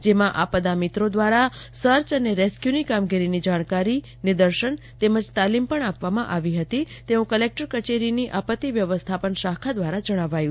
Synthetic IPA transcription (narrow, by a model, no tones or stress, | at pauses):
d͡ʒemãʔapəd̪amit̪ɾod̪ʋaɾasəɾt͡ʃəneɾeskjunikamɡiɾinid͡ʒaɽ̃kaɾi | nɪd̪əɾʃəɳ | t̪eməd͡ʒt̪alimpəɳapʋamã̰ʔaʋiɦət̪i | t̪eũkəlek̚ʈəɾkət͡ʃeɾiniʔapət̪ːiʋjəʋəst̪ʰapənʃakʰad̪ʋaɾad͡ʒəɽ̃aʋajũ